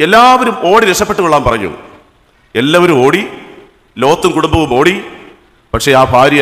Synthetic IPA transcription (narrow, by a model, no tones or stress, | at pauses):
elːaːʋɐɾumo̞ːɽiɾekʂɐpːe̞ʈːɨɣkoɭːaːmpɐrɐɲːɐ̰ʋṵ | elːaːʋɐɾumo̞ːɽi | lo̞ːt̪ːumkuɽumbɐʋumo̞ːɽi | pɐkʂe̞aːbʱaːɾjɐ